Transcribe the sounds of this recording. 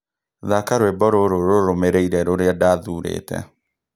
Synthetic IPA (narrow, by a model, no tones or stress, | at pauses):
ðakaɾwebɔɾoɾoɾoɾomeɾeiɾɛɾoɾeadaðuɾḛtɛ̰